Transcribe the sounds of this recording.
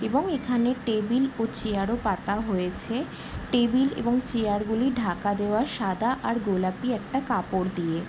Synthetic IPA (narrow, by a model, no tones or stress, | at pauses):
ebɔŋekʰaneʈebilot͡ɕiaɾopat̪aɦojet͡ɕʰe | ʈebilḛbɔŋt͡ɕeaɾɡuliɖʱakad̪eoaɾʃad̪ʱaʔaɾɡolapiɛk̚ʈakapoɾd̪ie